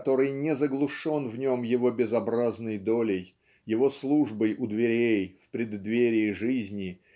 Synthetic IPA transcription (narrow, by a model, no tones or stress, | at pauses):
t̪o̞ɾɨjnʲɪzəɡlˠʊʂo̞nvnʲo̞mjɪvo̞bʲɪzɐbɾaznəjd̪o̞lʲɪj | jɪvo̞slˠuʐbəjʊd̪vʲɪɾʲejfpɾʲɪd̪ːvʲeɾʲɪɪʐɨzʲnʲɪ